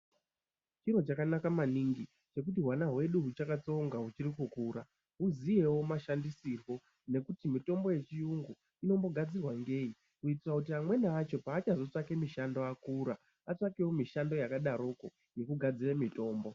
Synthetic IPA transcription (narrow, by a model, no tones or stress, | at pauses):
t͡ʃiro̞t͡ʃakanakamaniŋɡi | t͡ʃe̞k̬utiɦwanaɦwe̞ɗuɦut͡ʃakat͡so̞ŋɡaɦut͡ʃirikukuːɾa | ɦuzije̞womaʃandisirwo̞ | ne̞kutimito̞mbo̞je̞t͡ʃijuŋɡu | ino̞mbo̞ɡʱad͡zirwaŋɡe̞i | uit̬irakut̬iamwe̞naat͡ʃo̞paːt͡ʃazo̞t͡ʂakemiʃando̞akuːɾa | at͡ʂakewo̞miʃando̞jakaɗaɾo̞ko̞ | je̞kuɡʱad͡ziremito̞ːmbo̞